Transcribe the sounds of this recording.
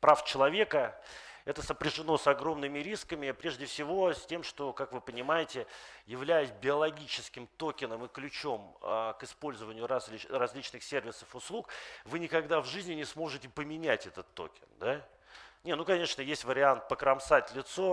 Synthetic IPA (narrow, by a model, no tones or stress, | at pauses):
pɾaft͡ɕɪlˠɐvʲe̞kə | ɛt̪əsəpɾʲɪʐɨno̞sɐɡɾo̞mnɨmʲɪɾʲiskəmʲɪpɾʲe̞ʐdʲɪfsʲɪvo̞sʲtʲe̞mʂt̪o̞kakvɨpənʲɪmajɪtʲɪjɪvlʲæjɪsʲbʲɪɐlˠɐɡʲit͡ɕɪskʲɪmt̪o̞kʲɪnəmɨklʲʉt͡ɕo̞məkɨspo̞lʲzəvənʲɪjʊɾazʲlʲirɐzʲlʲit͡ɕnɨxsʲervʲɪsə̥fʊslˠukvɨnʲɪkɐɡd̪avʐɨzʲnʲɪnʲɪsmo̞ʐɨtʲɪpəmʲɪnʲætʲɛt̪ət̪ːo̞̰kʲɪnd̪a | nʲenukɐnʲe̞ʂnəjesʲtʲvəɾʲɪant̪̚pəkɾɐmsatʲlʲɪt̪so̞